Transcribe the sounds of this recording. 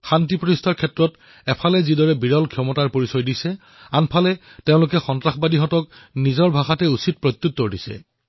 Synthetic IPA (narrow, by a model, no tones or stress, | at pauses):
xantipɹɔtistʰaɹkʰɛtɹɔt | ɛpʰalɛzidɔɹɛbiɹɔlkʰjɔmɔtaɹpoɹisɔjdisɛ | anpʰalɛteʊ̃lʊkɛxɔntɹaxbadiɦɔtɔknizɔɹbʱaxatɛusit̚pɹɔt̪ːutːoɹdisɛ̰